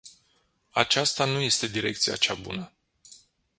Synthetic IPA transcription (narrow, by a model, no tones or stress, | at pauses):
at͡ʃast̪anuje̞st̪e̞d̪iɾe̞k̚t̪sija̰t͡ʃabṵnə